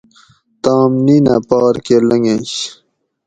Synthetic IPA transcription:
t̪ɑːmnina̰pɑːɾkelɐŋeɕ

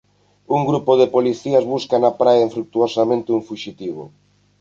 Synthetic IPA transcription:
uŋɡɾupoðepoliθiɐzβuskanapɾaeɱfɾuk̚t̪uosamẽnt̪ɪuɱfuʃit̪iβ̞o̰

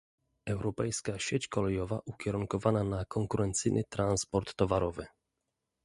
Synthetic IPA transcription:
ɛwɾɔpɛjskaɕet͡ɕkɔlɛjɔvaʔukʲɛɾuŋkɔvananakʰɔŋkuɾɛnt̪sɘjnʔɘt̪ɾanspɔɾt̪ːɔvaɾɔvɘ

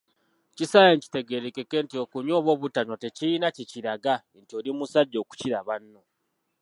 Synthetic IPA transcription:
cisajeɲci̥te̞ɡe̞ɾekekentio̞kuɲoːβwo̞ːβutano̞te̞ciinaciciɾaɡa | ntioɾimusaɟːo̞ːku̥ciɾaβanːo

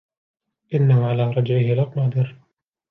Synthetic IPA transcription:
ʔɪnːahʊʕalaːɾˤɑd͡ʒʕɪhɪlaqnɑːd̪ˤɨɾ

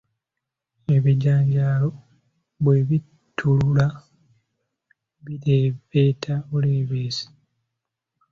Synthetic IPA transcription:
e̞βiɟaːɲɟaːlo̞ | βwe̞βi | tʰːulula | βiɾeːβeːtʰaoleːβeːsi̥

